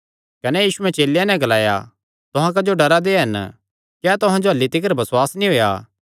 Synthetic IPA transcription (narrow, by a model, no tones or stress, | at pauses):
kɐnɛjiːʃuɛ̃t͡ʃeːljãnɛ̃ɡɐlaːja̰ | t̪ʊɦãk̬ɐd͡ʒoɖɐɾad̪eɦɐn | kɛt̪ʊɦãd͡ʒoɦɐlːit̪ɪk̬əɾbɐswaːsnĩɦoːja̰ː